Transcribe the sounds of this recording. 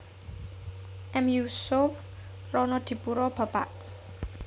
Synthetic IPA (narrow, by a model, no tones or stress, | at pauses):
ʔɛmjusof | rɔnɔd̪̥i̤puɾɔb̥ä̤paʔ